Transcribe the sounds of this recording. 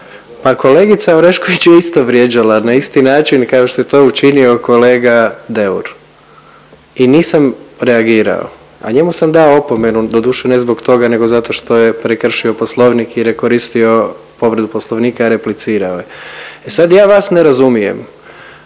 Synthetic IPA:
pako̞le̞ːɡit̪saoɾe̞ʃko̞ʋit͡ɕjeist̪o̞ʋɾjed͡ʒalanaist̪inaːt͡ʃinkao̞ʃt̪o̞jet̪o̞ːut͡ʃinio̞ko̞le̞ːɡad̪e̞uɾ | iniːsamɾeaɡiːɾa̰o̰ | a̰ɲe̞musamd̪aoopo̞me̞nud̪o̞d̪uːʃene̞zbo̞kt̪o̞ɡane̞ɡo̞zat̪o̞ʃt̪o̞je̞pɾekr̩ʃio̞po̞slˠo̞ʋnikiɾeko̞ɾist̪io̞ | po̞ʋɾed̪upo̞slˠo̞ʋniːkaɾe̞plit̪siːɾaojeesad̪jaːʋasneɾazumijḛm

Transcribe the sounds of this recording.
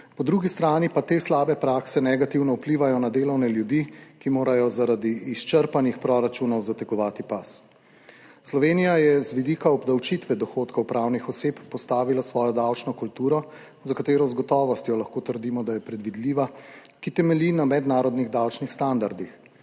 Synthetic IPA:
pɔd̪ɾuɡist̪ɾaːnipat̪eːslaːbɛpɾaːksɛnɛɡat̪iwnɔupliːʋajɔnad̪eːlɔwnɛljud̪ikimoːɾajɔzaɾad̪iːst͡ʃəɾpanixpɾɔɾat͡ʃunɔwzat̪ɛkɔʋaːt̪ipas | slɔʋeːnijajɛzʋid̪iːkaɔbd̪awt͡ʃit̪ʋɛd̪ɔxoːt̪kɔwpɾawnixɔsepːɔst̪aːʋilasʋɔːjɔd̪awt͡ʃnɔkult̪uːɾɔ | zakat̪eːɾɔzɡɔt̪ɔːʋɔst̪jɔlɐxkoːt̪əɾd̪iːmɔd̪ajɛpɾɛd̪ʋid̪liʋakit̪ɛmɛlinamɛd̪naːɾɔd̪niɣd̪awt͡ʃnixst̪and̪aɾd̪ix

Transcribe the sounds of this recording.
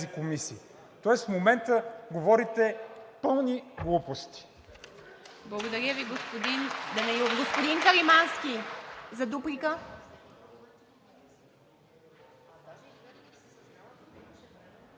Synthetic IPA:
ikomisiː | t̪ɔɛsfmomɛnt̪əɡovɔɾit̪ɛpɤlˠniɡlˠupost̪i̥ | blˠɐɡod̪ɐɾʲəviɡospod̪ind̪ɐnɛoɡospod̪inkɐɾimanskʲizɐd̪upɾikə

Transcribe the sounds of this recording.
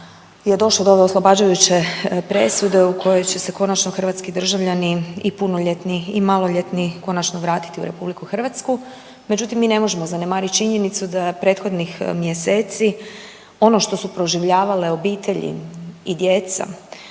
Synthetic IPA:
je̞d̪o̞ʃlˠod̪oo̞ʋe̞oslˠo̞baːd͡ʑujut͡ɕe̞pɾe̞sud̪e̞ukʰo̞jo̞jt͡ɕe̞se̞ko̞nat͡ʃno̞xr̩ʋat̪skid̪r̩ʒaʋʎaniipuno̞ʎet̪niimalˠo̞ʎet̪niko̞nat͡ʃno̞ʋɾaːt̪i̥t̪iṵɾe̞publikuxr̩ʋat̪sku | me̞d͡ʑut̪imːiːne̞mo̞ʒe̞mozane̞maːɾit̪t͡ʃiɲe̞nit̪sud̪apɾe̞ːt̪xo̞d̪nixmjese̞ːt̪si | o̞no̞ʃt̪o̞supɾo̞ʒiʋʎaːʋale̞o̞biːt̪ʰe̞ʎḭid̪je̞t̪sa̰

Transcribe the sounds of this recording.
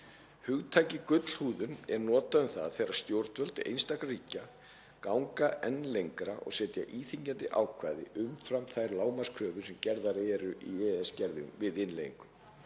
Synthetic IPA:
hʏɣt̪ʰaːjcɪkʏt̪l̥huːðʏnɛɾnɔːt̪aʏmθa̰ððθejɾast̪jowɾt̪vœlt̪ɪʔḛjnst̪akariːca | kawŋkaʔɛnːlejŋkɾaʔɔ̰ɣsɛːt̪ja̰ʔiːθiɲcant̪ɪʔa̰ːwkʰvaːjðɪ̰ʔʏmfɾamθajɾlaːwmḁskʰɾœːvʏsɛmcɛɾðaɾɛɾʏʔiɛɛscɛɾðɪ̰vɪðɪnlejiŋkʏm

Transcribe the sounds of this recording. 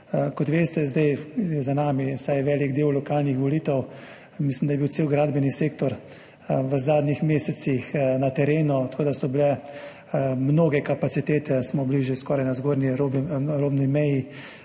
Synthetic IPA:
kɔt̪ʋeːst̪ɛzd̪ajjɛzanaːmisajɛʋɛːliɡd̪eːwlɔkaːlnixʋɔliːt̪ɛw | mislimd̪ajɛbiwt̪seːwɡɾaːd̪bɛniseːkt̪ɔɾ | ʋəzaːd̪nixmeːsɛt̪sixnat̪ɛɾeːnut̪ɐ̥kʰoːd̪asɔbilɛ | mnoːɡɛkapasit̪eːt̪ɛsmɔbliʒjɛskɔːɾajnazɡoːɾniɾobɾoːbnimɛji

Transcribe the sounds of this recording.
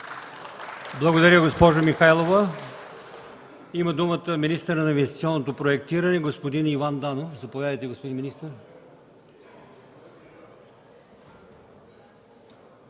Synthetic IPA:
blˠɐɡod̪ɐɾʲəɡospɔʒomixajlˠovə | iməd̪umət̪əminist̪əɾnɐĩnvɛst̪i̥t̪siɔnːot̪opɾoɛk̚t̪iɾənɛɡospod̪inivand̪anofzɐpovʲjad̪əjt̪ɛɡospod̪inminist̪əɾ

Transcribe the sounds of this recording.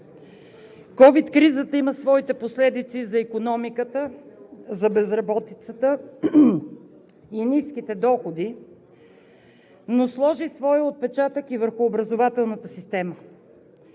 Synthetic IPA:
kɔvit̪kɾizət̪əiməsvɔit̪ɛposlɛd̪it̪sizɐikonɔmikət̪əzɐbɛzɾɐbɔt̪it̪sət̪ə | iniskit̪ɛd̪ɔxod̪i | noslˠɔʒisvɔjəot̪̚pɛt͡ʃat̪əkivəɾxʊːbɾɐzovat̪ɛlˠnət̪əsist̪ɛmə

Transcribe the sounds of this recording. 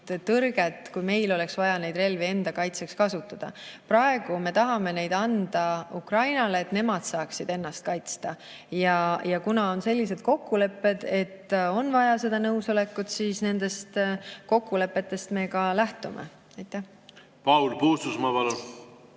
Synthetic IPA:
t̪ːɤrɡ̥et̪kujme̞jlo̞le̞ksvɑjɑne̞jd̪re̞lvee̞nd̪̥ɑkɑjt̪se̞kskɑsut̪ːˑɑd̪̥ɑ̰pɾɑe̞ɡ̥ume̞t̪ɑɦɑme̞ne̞jd̪̥ɑnd̪̥ɑukrɑjnɑleːt̪ne̞mɑd̪̥sɑːksid̪̥e̞nːɑst̪̚kɑjt̪st̪ɑ | jɑjɑkunɑo̞nse̞lʲːis̬e̞d̪̥̚ko̞kːule̞pːe̞d̪̥e̞t̪ːo̞nvɑjɑse̞d̪̥ɑnɤwso̞le̞kːut̪siːsne̞nd̪̥e̞st̪ko̞kːule̞pːe̞t̪ːe̞st̪me̞kɑlæht̪umḛ | ɑjt̪ːˑæh | pɑwlpuːst̪usmɑpɑlu

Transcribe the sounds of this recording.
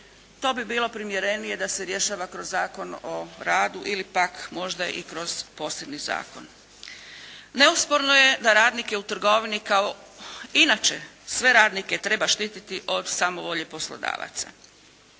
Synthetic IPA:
t̪o̞ːbibiːlˠo̞pɾimjeɾe̞nije̞d̪aseɾje̞ʃaːʋakɾozːaːko̞noɾaːd̪uʔilipakmo̞ʒd̪aʔḭkɾo̞z̥po̞ːsebniza̰ːko̞n | ne̞uspo̞ɾno̞je̞d̪aɾaːd̪nike̞ut̪r̩ɡo̞ʋinikao̞inat͡ʃe̞sʋe̞ɾaːd̪nike̞t̪ɾe̞baʃt̪iːt̪it̪iʔo̞d̪saːmo̞ʋo̞ʎepo̞slˠo̰d̪a̰ːʋa̰t̪sa̰

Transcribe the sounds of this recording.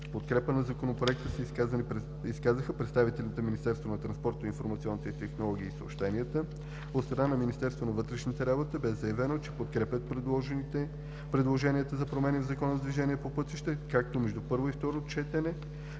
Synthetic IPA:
pot̪kɾɛpənɐzɐkonopɾoɛkt̪əsəiskazənipɛ | iskazəxəpɾɛt̪st̪avit̪ɛlʲt̪əminist̪ɛɾst̪vonɐt̪ɾɐnspɔɾt̪infoɾmɐt̪siɔnːit̪ɛit̪ɛxnolˠɔɡ̟iːso̰pʃt̪ɛniət̪ə | ot̪st̪ɾɐnanɐminist̪ɛɾst̪vonɐvɤt̪ɾɛʃnit̪ɛɾabot̪əbɛzɐjɛvɛnot͡ʃɛ̥pot̪kɾɛpʲət̪̚pɾd̪ˠɔʒ | pɾɛd̪lˠoʒɛniət̪əzɐpɾomɛnʲivzɐkɔnəzd̪viʒɛniɛpopɤt̪iʃt̪ɛkak̚t̪omɛʒd̪upɤɾvoift̪ɔɾot͡ʃɛt̪ɛnɛ

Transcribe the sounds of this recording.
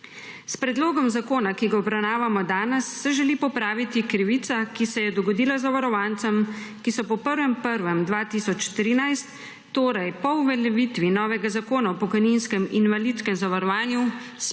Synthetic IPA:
spɾɛd̪loːɡɔmzakoːnakiɡaɔbɾawnaːʋamɔd̪aːnɛsːɛʒɛliːpɔpɾaːʋit̪ikɾiʋiːt̪sakisɛjɛd̪ɔɡɔd̪iːlazaʋaɾɔʋant̪sɛmkisɔpɔpəɾʋɛmpəɾʋɛmd̪ʋaːt̪iːsɔt͡ʃt̪ɾiːnajst̪ː | oːɾajpɔuʋɛlɛʋit̪ʋinɔːʋɛɡazakoːnaɔpɔkɔjninskɛminʋaliːt̪skɛmzaʋaɾɔʋaːnju

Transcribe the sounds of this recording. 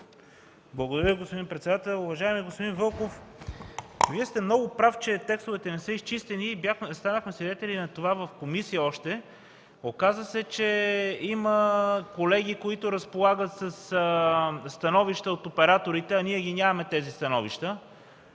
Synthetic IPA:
blˠɐɡod̪ɐɾəiɡospod̪inpɾɛt̪sɛd̪at̪ɛlˠʊvɐʒaɛmiɡospod̪invɤlˠkof | viɛst̪ɛmnɔɡʊpɾaft͡ʃɛt̪ɛkst̪ovɛt̪ɛnɛsəist͡ʃist̪ɛniːbaxst̪anəxmɛsvid̪ɛt̪ɛlʲinɐt̪ovavəfkomisijəɔʃt̪ɛ | okazəsɛt͡ʃɛiməkolɛɡʲikoit̪ʊɾəspolˠaɡət̪səs | st̪ɐnɔviʃt̪əot̪opɛɾat̪oɾit̪ɛɐniɛɡʲinʲavɐmɛt̪ɛzist̪ɐnɔviʃt̪ə

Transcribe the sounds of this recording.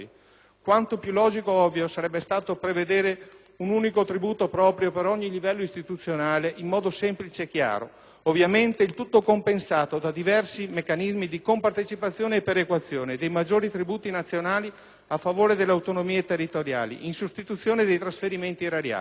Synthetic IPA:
i | kwant̪opjulɔːd͡ʒikoɔvːjosaɾɛbːest̪aːt̪opɾeved̪eːɾe | unuːnikot̪ɾibuːt̪opɾɔːpɾjopeɾɔɲːilivɛlːoist̪it̪ut̪sːjonaːleʔimːɔːd̪osɛmplit͡ʃeːkːja̰ːɾo̰ | ovːjament̪eilt̪ut̪ːokompensaːt̪od̪ad̪ivɛrsimekːanizmid̪ikompart̪et͡ʃipat̪sːjoːneːpeɾekwat̪sːjoːned̪ejmad͡ʒːoːɾit̪ɾibuːt̪inat̪sːjonaːli | afːavoːɾed̪elːeawt̪onomiːet̪erːit̪oɾja̰ːlḭʔinsust̪it̪ut̪sːjoːned̪ejt̪ɾasfeɾiment̪iɾaɾja̰ː

